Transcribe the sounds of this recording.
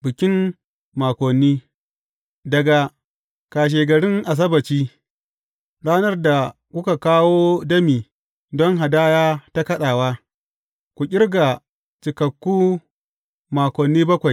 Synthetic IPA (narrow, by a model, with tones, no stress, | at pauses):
bɪ˨kʲɪ˦m | maː˨kʷɔ˨nːiː˦ | dɐ˨ɡa˨ | kaː˨ʃ̬eː˨ɡɐ˨ɽɪ˦ŋʔa˨s̬ɐ˦bɐ˨t͡ʃiː˦ | ɽaː˦nɐ˦rda˨kʷʊ˦ka˨kaː˦woː˦dɐ˦miː˨ | dɔ˦ŋɦa˨daː˦jaː˦ta˦kɐ˦ɗaː˨waː˦ | kʷu˨kʲʼɪ˦rɡa˨ | t͡ʃɪ˨kɐ˨kːuː˦ | maː˨kʷɔ˨nːiː˦bɐ˦kʷa˨j